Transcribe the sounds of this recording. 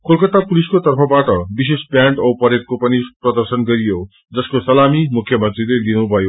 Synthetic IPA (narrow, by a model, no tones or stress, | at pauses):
kolkʌt̪apuliskot̪ʌrpʰʌbaʈʌbisespjãɳʈʌwpʌɾet̪̚kopʌniprʌd̪ʌrsʌnɡʌɾijo | d͡zʌskosʌlamimukʰːjʌmʌnt̪rilelinubʱʌjo